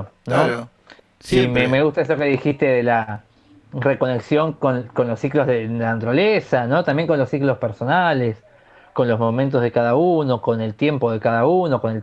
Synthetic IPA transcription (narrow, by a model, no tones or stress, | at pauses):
no | simemeɣust̪aeso̞keðixist̪e̞ðela | reko̞ne̞ksjoŋko̞nko̞nlosːiklozðeanat̪uɾalesano̞t̪ambjeŋko̞nlo̞sːiklo̞speɾso̞nales | ko̞nlo̞zmomẽnt̪̬o̞zðe̞kaðauno̞ko̞ne̞lt̪je̞mpo̞ðekaðauno̞ko̞ne̞l